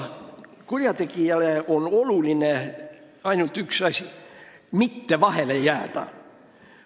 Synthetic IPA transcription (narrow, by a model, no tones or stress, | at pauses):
kurjɑt̪ekiæleonoluˑline | ɑinult̪yksɑsʲ | mit̪ːeʋɑhelejæːt̪æ̰